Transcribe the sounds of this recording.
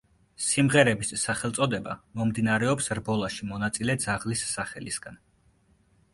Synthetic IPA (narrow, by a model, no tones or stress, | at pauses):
simʁɛɾɛbisːaχɛlˠt̪sʼɔd̪ɛba̰mɔmd̪inaɾɛɔpsɾbɔlˠaʃimɔnat̪sʼilɛd̪zaʁlisːaχɛlisɡ̥an